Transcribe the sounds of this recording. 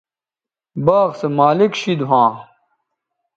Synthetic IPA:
baːɣsemaːlikɕid̪uɦãː

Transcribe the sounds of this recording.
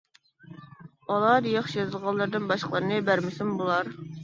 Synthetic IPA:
ɑlˠɑɾjɑχʃjɑzɨlˠʁɑlˠːəɾd̪ɨnbɑʃqʰəlˠəɾɨnɨbæɾmɪsɪmbolˠɑɾ

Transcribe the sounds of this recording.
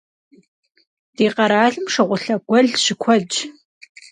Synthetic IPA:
d̥iːqɐɾaːɮɨmʂɨʁʷʊɬɐɡʷɔɮɕɪkʷʰɐd͡ʒ

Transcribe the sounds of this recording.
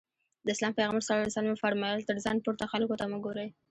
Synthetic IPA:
d̪əɪslɑmpeɣaməɾsɑəsɑlmefaɾmɑjɑlt̪əɾzɑnpoɾt̪axalkot̪aməɡoɾəj

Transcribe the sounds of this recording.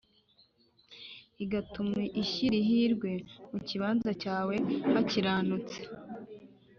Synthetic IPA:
iɡatumiʔiʃiɾiɦiɾɡwe̞muciβaːnzacaːwe̞haciɾaːnut͡se̥

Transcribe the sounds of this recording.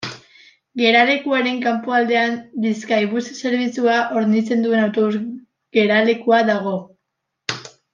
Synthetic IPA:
ɡe̞ɾale̞kuaɾe̞ŋkampoald̪e̞anbiskaiβusse̞ɾβit͡suaʔo̞ɾnit͡se̞nd̪ue̞nawt̪o̞βuz | ɡe̞ɾale̞kuaðaɣ̞o̞

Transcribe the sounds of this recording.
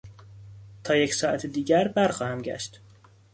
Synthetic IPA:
t̪ʰɒːjecsɒːʔæt̪ʰed̪iːɟæɾbæɾxɒːhæmɟæ̰ʃt̪

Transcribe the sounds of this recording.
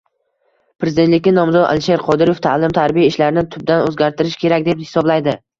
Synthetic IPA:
pɾezɪd̪e̞nt̪lɪkʲːɪnɒmzɒd̪a̰lʃe̞ɾqʰɒd̪ɪɾoft̪ʰa̰lɪmt̪ʰaɾbijaɪʃlaɾɪnɪt̪ʰʊb̚d̪anɵzɡʲaɾt̪ʰɪɾɪʃkʲʰe̞ɾakʲd̪e̞phɪ̥sɒblajd̪ɪ

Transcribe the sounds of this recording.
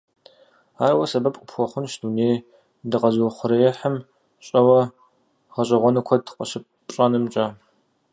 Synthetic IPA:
aːɾwɐsɐbɐpʼʷʊpxʷɔχʷʊnʃduneːj | dɨqɐzχʷʊɾɐjɛħəm | ɕʼɐwɐ | ʁɐɕʼɐʁʷɔnɨkʷʰɔdqʼɐʃɪpʼ | ɕʼanɨmt͡ʃʼa

